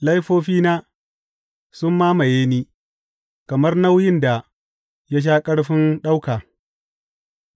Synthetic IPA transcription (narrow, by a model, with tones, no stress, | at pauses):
la˦jɸoː˦ɸiː˦naː˦ | sʊ˦mːaː˦ma˨jeː˦niː˦ | kɐ˨mɐ˦rna˦wjɪ˦nda˨ | ja˦ʃ̬aː˦kʼɐ˦ɽɸɪ˦nɗa˦wkaː˨